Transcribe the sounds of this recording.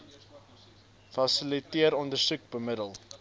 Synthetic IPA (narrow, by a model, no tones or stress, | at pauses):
fɐsəlitiəɾɔndərsuk̚bəmədəlˠ